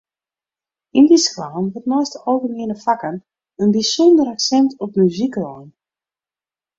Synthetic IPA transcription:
indisklaːnʋətnɔjstəowvəniənəfakən | ənbisɔndəɾaksɛntʰɔp̚myziklɔjn

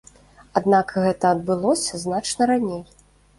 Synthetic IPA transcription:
ad̪nakɣɛt̪ɐɐd̪̚bɨlˠɔsʲɐznat͡ʂnɐɾanʲej

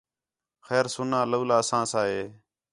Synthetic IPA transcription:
xɛːɾsʊnãːləːlaːəsãːsãːɦeː

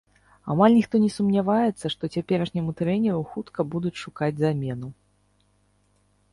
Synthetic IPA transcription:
a̰malʲnʲixt̪ɔnʲɛsumnʲavajɛt̪sːɐʂt̪ɔt͡sʲapʲɛɾɐʂnʲɛmut̪ɾɛnʲɛɾuxut̪kɐbud̪ut͡sʲʂukad͡zʲzamʲɛnu

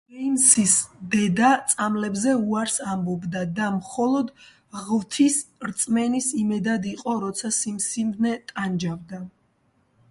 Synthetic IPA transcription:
ɛjmsisd̪ɛd̪at̪sʼamlɛbzɛuaɾsambɔbd̪ad̪amχɔlˠɔd̪ | ʁvt̪ʰisɾt̪sʼmɛnisimɛd̪ad̪iqʼɔɾɔt̪sʰasimsimd̪nɛt̪ʼand͡ʒavd̪a

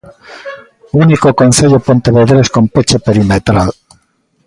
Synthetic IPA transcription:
unikokonθeʎopont̪eβeðeɾeskompet͡ʃepeɾimet̪ɾal

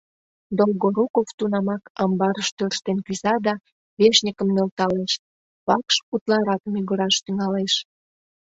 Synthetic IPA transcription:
d̪olɣoɾukoft̪unɑmɑkɑmbɑɾəʃt̪ørʃt̪enkyzɑd̪ɑ | βeʃnʲikəmnelt̪ɑleʃ | βɑkʃut̪lɑɾɑkmyɣəɾɑʃt̪yŋɑleʃ

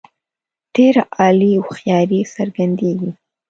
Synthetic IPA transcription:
d̪̥eɾaʔɑliawxjɑɾisəɾɡand̪eɡi

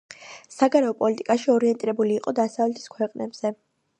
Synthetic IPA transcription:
saɡaɾɛɔpʼɔlit̪ʼikʼaʃiɔɾiɛnt̪ʼiɾɛbuliːqʼɔd̪asavlɛt̪ʰi̥skʰwɛqʼnɛbz̥ɛ

